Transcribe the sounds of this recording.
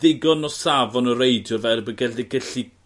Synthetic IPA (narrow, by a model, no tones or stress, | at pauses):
ðɪɡɔnɔsavɔnəɾejdjɔvɛɾbəɡɛldɛɡəɬi